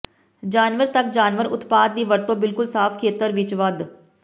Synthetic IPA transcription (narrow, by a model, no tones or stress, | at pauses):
d͡ʒaːnʋəɾt̪ɐkd͡ʒaːnʋəɾʊ̰t̪paːt̪̚d̪iːʋəɾt̪õbɪlkʊlsaːfʰkʰeːt̪əɾʋɪt͡ʃʋɐd̪